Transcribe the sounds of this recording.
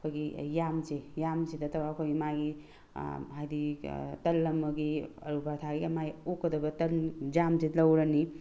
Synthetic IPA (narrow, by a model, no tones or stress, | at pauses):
kʰojɡijamzejamzedɐtʰɐwaːkʰojɡimaɡḭ | ɦajditɐlːɐmɐɡiɐ̰ɾubaɾtʰaɡiɐmajokːɐdɐbɐtɐld͡ʒamzelɐwɾɐni